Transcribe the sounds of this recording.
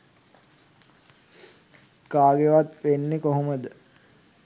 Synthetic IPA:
kaːɡeʋat̪ʋenːekoɦoməd̪ə

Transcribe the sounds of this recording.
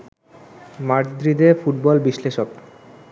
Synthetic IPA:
maʈd̪ɾid̪efuʈbɔlbiʃleʃok

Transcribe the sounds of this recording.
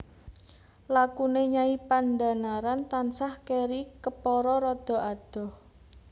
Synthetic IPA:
lakuneɲaipand̪a̤naɾant̪ansahkeɾikəpɔɾɔɾɔd̪̥ɔ̤ad̪̥ɔ̤h

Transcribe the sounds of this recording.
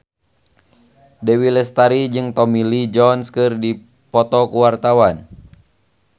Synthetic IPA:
dɛwilɛst̪aɾid͡ʒɨŋt̪ɔmilid͡ʒɔnskɨrdi | pɔt̪ɔkuwart̪awan

